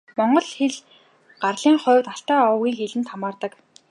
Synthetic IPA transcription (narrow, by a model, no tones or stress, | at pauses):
mɔɴɢɞ̆ɮxeɮ | ɢ̥arɮiːŋχʊːwʲt̪aɬt̪æːɔwɣʲiːŋxeɮɘ̆nt̪ʰamaːrt̪ə̆k